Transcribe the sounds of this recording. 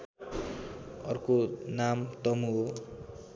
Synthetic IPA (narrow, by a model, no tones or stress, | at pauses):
ʌ̰rkonamt̪ʌmuo